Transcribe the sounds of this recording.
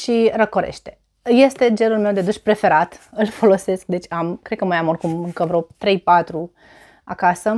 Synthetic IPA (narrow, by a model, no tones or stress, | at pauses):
ʃirəkoɾḛʃt̪e̞ | je̞st̪e̞d͡ʒe̞nulme̞wd̪ed̪uʃʲpɾe̞fe̞ɾat̪ɨlfo̞lo̞se̞sk̚d̪e̞t͡ʃʲamkɾed̪̚kəmajamorkumɨŋkəvɾot̪ɾe̞jpat̪ɾu | a̰kasə